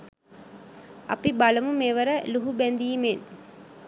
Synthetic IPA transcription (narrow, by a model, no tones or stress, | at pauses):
ɐ̰pibaləmumeʋəɾəluɦubɛnd̪iːmen